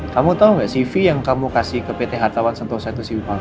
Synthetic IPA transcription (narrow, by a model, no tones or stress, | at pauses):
kamut̪aŋɡaʔsifijaŋkamukasihkəpet̪eɦat̪awansənt̪osait̪usiwipa